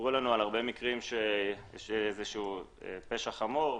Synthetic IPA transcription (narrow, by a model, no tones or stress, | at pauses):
ʁulanualaʁbe̞mikʁimʃejeʃeezeʃuu | ḛpe̞ʃaχamoʁ